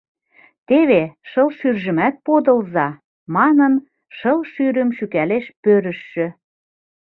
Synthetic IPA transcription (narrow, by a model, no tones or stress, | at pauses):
t̪eβeʃɤlʃyrʒə̆mæt̪̚pod̪ə̆lzɑ | mɑnən | ʃɤlʃyɾə̆mʃykæleʃpøɾə̆ʃːø̆